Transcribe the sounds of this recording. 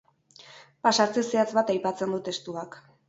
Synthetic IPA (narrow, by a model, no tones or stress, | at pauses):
pasaɾt͡seseat͡sβat̪ajpat͡se̞nd̪ut̪e̞st̪uak